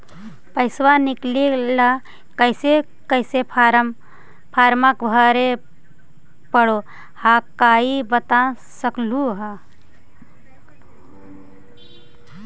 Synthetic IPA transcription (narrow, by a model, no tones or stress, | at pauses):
pəɪswaniklela | kəɪse | kəɪse | pʰaːɾməkbʱəɾe | pəɽo | hakaibət̪a | səkluɦa